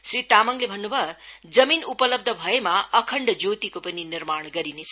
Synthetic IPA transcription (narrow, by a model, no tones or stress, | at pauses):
sɾit̪amʌŋlebʱʌnːubʱʌ | d͡zʌminupʌlʌb̚d̪ʱʌbʱʌemaʌkʰʌɳɖd͡zot̪ikopʌninirmaɳ̃ɡʌɾinet͡sʰ